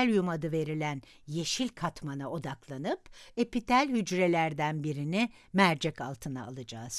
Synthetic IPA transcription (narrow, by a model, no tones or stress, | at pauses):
lʲjumad̪ɯve̞ɾilʲæn | je̞ʃilʲkʰat̪manao̞d̪aklˠanɯpepit̪ʰælʲhyd͡ʒɾe̞lʲæɾd̪ænbiɾini | mæɾd͡ʒɛkalˠt̪ʰɯnaaːlˠɯd͡ʒaːz̥